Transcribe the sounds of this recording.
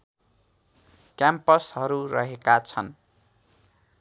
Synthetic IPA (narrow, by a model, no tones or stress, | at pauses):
kjampʌsɦʌɾurʌɦekat͡sʰʌn